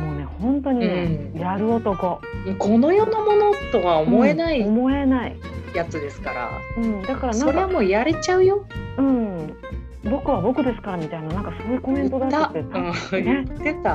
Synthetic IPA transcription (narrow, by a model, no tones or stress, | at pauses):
mo̞ːne̞hõ̞nt̪o̞ɲ̟in | jaɾɯ̟ot̪o̞ko̞ | ko̞no̞jo̞nomo̞not̪okaomo̞enaiomo̞e̞nai | jat͡sɨd̪e̞sɨ̥kaɾa̰ɯ̟̃ɴd̪akaɾanãsokβamojaɾe̞t͡ɕaɯ̟jo̞ɯ̟̃ɴ | bo̞kɯ̟βabo̞kɯ̟d̪e̞sɨ̥kaɾamʲit̪ainanãŋkasɨooɯ̟ko̞mẽ̞nt̪o̞d̪at̪at̪ːet̪ãe̞t̪esa